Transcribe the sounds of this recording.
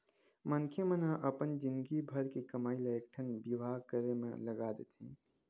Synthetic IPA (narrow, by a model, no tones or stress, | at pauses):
mənkʰemənaʔəpənd͡ʒɪnd̪ɡibʱəɾkekəmaːiləjkʈʰənbibʱaːɡkəɾemḛ̃ləɡaːd̪et̪ʰĩː